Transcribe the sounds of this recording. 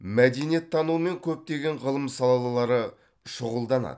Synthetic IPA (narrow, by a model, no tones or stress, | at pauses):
mæd̪e̞nije̞t̪ʰːɑnume̞ŋkʲʰɵp̚t̪e̞ɡʲe̞ɴʁəlˠəmsɑlˠɑlˠɑlˠɑɾə | ʃʊʁəlˠd̪ɑnɑ̰d̪ə